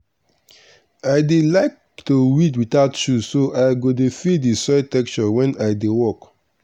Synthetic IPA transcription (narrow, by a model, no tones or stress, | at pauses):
aɪdelaɪk̚ | towitwitaʊtjusoʔaɪɡodefidisɔtɛkt͡ʃɔwɛ̃naɪdewɔk